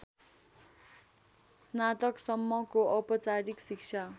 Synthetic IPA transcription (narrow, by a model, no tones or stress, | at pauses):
snat̪ʌksʌmːʌkoʔʌpʌt͡saɾiksikt͡sʰa